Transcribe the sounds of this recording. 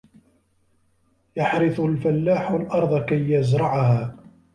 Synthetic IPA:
jaħɾɪθʊlfalːaːħalʔɑɾˤd̪ˤɑkajːazɾˤɑʕahaː

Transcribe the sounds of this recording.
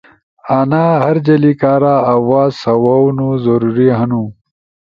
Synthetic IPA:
aːnaːɦɐɾd͡ʑɐlikaːɾaɐwaːsɐwawnuzɐɾuɾiɦɐnu

